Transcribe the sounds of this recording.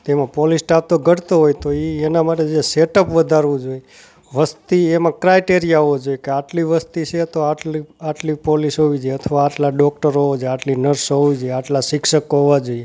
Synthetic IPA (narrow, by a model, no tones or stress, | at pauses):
t̪emãpɔlisʈap̚t̪oɡʱəɽt̪oɦojt̪oienamaʈed͡ʒeseʈəpʋəd̪ʱaɾʋũd͡ʒoje | ʋəst̪iemãkɾajʈeɾijaod͡ʒojekeaʈliʋəst̪it͡ʃʰet̪oaiaʈlipɔlisɦoʋid͡ʒeət̪ʰəʋaːʈlaɖɔk̚ʈəɾood͡ʒaʈlinəɾsɦoʋid͡ʒojeaʈlasikʃəkoɦoʋad͡ʒoie